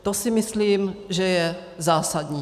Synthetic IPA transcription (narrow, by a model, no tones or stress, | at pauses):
t̪osɪmɪsliːmʒɛjɛ | zaːsadɲiː